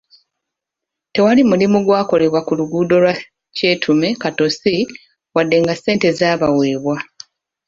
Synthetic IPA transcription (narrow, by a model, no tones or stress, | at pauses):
te̞walimulimuɡwaːko̞le̞βwakuluɡuːdo̞lwa | ce̞ːtʰume̞kato̞si | wadːe̞ŋɡase̞ːnte̞zaːβawe̞ːβwa